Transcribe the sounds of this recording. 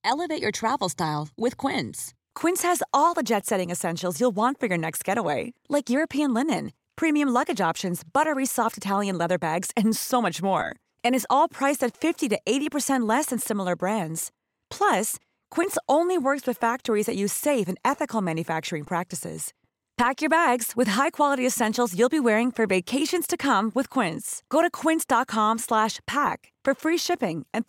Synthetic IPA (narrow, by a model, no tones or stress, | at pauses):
ɛlˠəveɪt͡ʃə˞tʰɹ̥ævl̩ˠstaɪlˠwɪð̥kʰw̥ɪ̃ns | kʰw̥ɪ̃nshɨzɔlˠðəd͡ʒɛtsɛɾɪ̃ŋɨsɛ̃nʃl̩ˠzjulˠwɑ̃ntfə˞jə˞nɛkst̚ɡ̥ɛɾəweɪlaɪkjʊɹɨpʰiɨ̃nlɪ̃nɨ̃n | pʰɹ̥imiɨ̃mlʌɡɨd͡ʒɑpʃɨ̃nzbʌɾə˞isɔftɨtʰælˠjɨ̃nlɛðə˞bæɡz̥ɨ̃nsoʊmʌt͡ʃmɔ̰ɹ | ɨ̃ñɨzɔlˠpʰɹ̥aɪsɨtfɪftiɾɨʔeɪɾipʰə˞sɛ̃nʔlɛsɨ̃nsɪ̃ml̩ˠə˞bɹæ̃ndz̥ | pʰl̥ʌs | kʰw̥ɪ̃ntsʔõʊ̃nliwɜ˞kswɨð̥fæk̚tə˞izðɨt͡ʃɨ̥seɪfɨ̃nɛθɨkl̩ˠmæ̃njɨfæk̚t͡ʃə˞ɪ̃ŋpʰɹ̥æk̚tɨsɪ̰z̥ | pʰækjə˞bæɡz̥wɨð̥ɦaɪkʰw̥ɑlˠəɾiɨsɛ̃nʃl̩ˠzjʉlˠbiwɛɹɪ̃ŋfə˞veɪkʰeɪʃɨ̃nz̥tʰɨkʰʌ̃mwɨð̥kʰw̥ɪ̃ntsɡ̥oʊɾɨkʰw̥ɪ̃ntsd̥ɑt̚kʰɑ̃mslæʃpʰæk | fə˞fɹiʃɪpɪ̃ŋʔɨ̃n